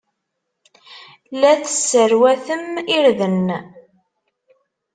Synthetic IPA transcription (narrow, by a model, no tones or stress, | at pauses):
læθəsːəɾwæθəmiɾðən